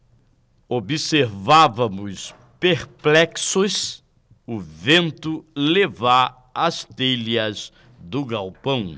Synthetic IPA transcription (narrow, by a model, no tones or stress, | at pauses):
obiseɾvavɐmʊs | peɾplɛksʊs | ʊvẽnt̪ʊleva | ɐst̪elɐz | d̪ʊɡawpɐ̃w̃